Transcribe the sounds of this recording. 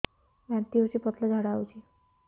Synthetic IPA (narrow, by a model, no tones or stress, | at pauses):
ʋant̪iɦot͡ɕiːpət̪ləd͡zʱaɽawt͡ɕiː